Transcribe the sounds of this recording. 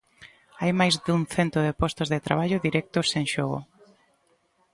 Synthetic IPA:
ajmajzðũŋθent̪ʊðepɔst̪ozðet̪ɾaβaʎʊðiɾɛk̚t̪ʊsẽŋʃɔɣʊ̰

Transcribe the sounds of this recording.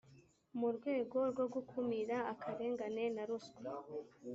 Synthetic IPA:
muɾɡwe̞ːɡo̞ɾɡo̞ɡukʰumiɾaːkʰaɾe̞ːŋɡane̞naɾusku

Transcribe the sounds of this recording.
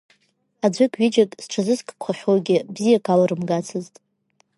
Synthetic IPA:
ad͡ʒʷɨkʲʰʼɥid͡ʒakʼsʈ͡ʂʰazɨskʼkʷʰaχʲoɡʲɪbzijakʰalaɾɨmɡat͡sʰɨztʼ

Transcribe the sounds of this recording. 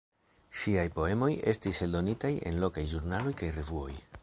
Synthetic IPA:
ʃiajpo̞e̞mo̞je̞stise̞ldo̞nitaje̞̰nlo̞kajʒuɾnalo̞jkajre̞vuo̞̰j

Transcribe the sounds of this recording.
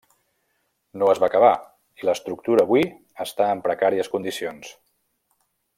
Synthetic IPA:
noəzβakəβ̞a | iləst̪ɾuk̚t̪uɾəːβwi | əst̪aəmpɾəkaɾiəskund̪isions

